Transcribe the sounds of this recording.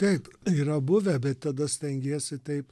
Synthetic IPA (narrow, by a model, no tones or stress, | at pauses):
t̪ʲɛɪpiːɾɐbʊʋʲɛbʲɛt̪t̪ɐd̪ɐsʲt̪ʲɛŋʲɡʲeːsʲɪt̪ʲɛɪp